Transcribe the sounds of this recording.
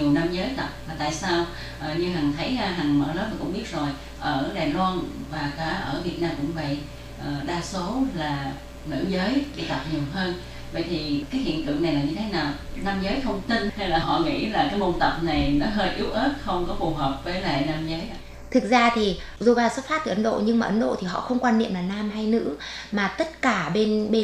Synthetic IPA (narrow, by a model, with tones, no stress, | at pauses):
i˨˩əwna˧mzəː˨˦jt̪ə˨˩p̚vaː˨˩t̪a̰ː˧˨jsaː˧w | ʔəː˨˩ɲɨ˧ɦa˨˩ŋt̪ʰə˨˦jɦa˨˩ŋmə̰ː˧˩ləː˨˦˥maː˨˩kʊ̰˧˥ŋ͡mɓi˦˥ət̚zo˨˩j | ʔəː˧˩ɗaː˨˩jlwaː˧nvaː˨˩kaː˨˧˩ʔəː˧˩vi˨˩ət̚naː˧mkʊ̰˧˥ŋ͡mvə̰˧˨j | ʔəː˨˩ɗaː˧so˨˦laː˨˩ | nɨ̰˧˥əzəː˨˦jɗḭ˧t̪ə˨˩p̚ɲi˨˩əwɦəː˧n | və̰˧˨jt̪ʰi˨˩kaː˨˦jhḭ˧˨nt̪ɨ̰˧˨əna˨˩jlaː˨˩ɲɨ˧t̪ʰe˨˦naː˨˩wnaː˧mzəː˨˦jt̪ʰə˧wŋ͡mt̪i˧nha˧jlaː˨˩ɦɔ̰˧˨ŋḭ˧˥laː˨˩kaː˨˦jmo˧nt̪ə˨˩p̚na˨˩jnɔ˨˦ɦəː˧jʔi˨˦əwʔəː˦˥t̚xə˧wŋ͡mkɔ˨˦fu˨˩ɦəː˨˩p̚vəː˨˦jla̰ː˧˨jnaː˧mzəː˨˦j | t̪ʰɨ˨˩k̚zaː˧t̪ʰi˨˩ | zo˧˩jvaː˧˩sə˦˥t̚faː˦˥t̪̚iː˨˩ʔə˨˦nɗo̰˧˨ɲɨ˧ŋmaː˨ʔə˨˦nɗo̰˧˨t̪ʰi˨˩ɦɔ̰˧˨xə˧wŋ͡mkwaː˧nːḭ˧˨əmlaː˨˩naː˧mɦa˧jnɨ̰˧˥ | maː˨˩t̪ə˦˥t̚kaː˧˩ɓe˧nɓe˧